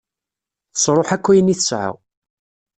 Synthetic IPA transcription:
θə̥sˤɾˤoħækʷːæjənːiθəsʕa̰w

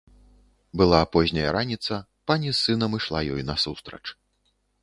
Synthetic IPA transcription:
bɨlˠaːpɔʑʲnʲɐjɐɾanʲit̪sɐ | panʲisːɨnɐmɨʂlˠa̰jɔjnɐsust̪ɾɐ̰t͡ʂ

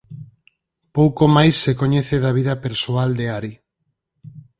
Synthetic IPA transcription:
powkomajsːekoɲeθeðaβ̞iðapeɾsuald̪eaɾi

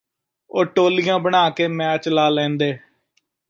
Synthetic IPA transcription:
oːʈoːlɪjãːbəɳaːkeːmɛːt͡ʃlaːlɛ̃ːnd̪eː

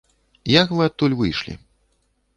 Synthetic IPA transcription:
jakvɨat̪̚t̪ːulʲvɨjʂlʲḭ

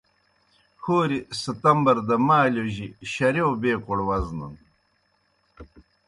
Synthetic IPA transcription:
xoːɾisət̪ɐmbɐɾd̪ɐmaːlʲoʑiɕɐɾewbeːkoɽwɐznṵn

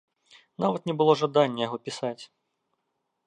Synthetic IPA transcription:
navɐt̪nʲɛbɨlˠɔʐad̪anʲːɐjaɣɔpʲisat͡sʲ

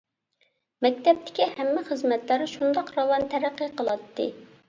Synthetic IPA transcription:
mɛk̚ʲt̪ɛp̚t̪ʰɪ̥kʲihɛmːɪχəzmɛt̪læɾɨʃund̪ɑqɾɑwɑnt̪ʰɛɾæqːəqʰəlˠɑt̪ʰːɨ̰

